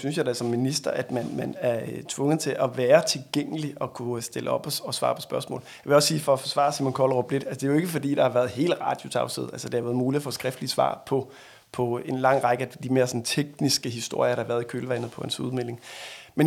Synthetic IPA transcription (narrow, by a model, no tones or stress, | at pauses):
synsjɑ̈ɪd̥æsɒ̽mːinisd̥ɐʔæd̥mænmænæɐt͡sʰʋɔ̽ŋəð̩ˠt͡sʰe̝lʔæʋæːɐt͡sʰe̝lɡ̥eŋ̰əliʔɒ̽kʰusd̥e̝lʔəɒ̽b̥ɒɒ̽sʋɑ̰̈ːpʰɒ̽sb̥ɶɐsmɔ̰̽ːljɑʋe̝ɒ̽ssiːfɒ̽ɒfɒ̽sʋɑ̰̈ːsimɔnkʰɒlʁob̥led̥ælsəd̥e̝æjoe̝ɡ̥əfɒ̽d̥ḭːd̥ɑ̈hɑ̈ʋæɐð̩ˠɦe̝̰ːl̥ʁɑ̈ːd̥jo̝t͡sʰɑ̈ʊsḭð̞̩̰ˠælsəd̥e̝hɑ̈ʋæɐðˠmuːliɐfɔ̰sɡ̥ʁɛfd̥lisʋɑ̰̈ːpʰɒ̽ | pʰɒ̽e̝nlɑ̈ŋ̰ʁɑ̈ɡ̥əæd̥ime̝ːɐsɒ̽n̩t͡sʰeɡ̥nisɡ̥əɦisd̥o̝ɐ̰jɐɾ̥ɑhɑ̈ʋæɐðˠikʰøːlʋænð̩ˠpʰɒ̽hænsuðˠmel̰e̝ŋmen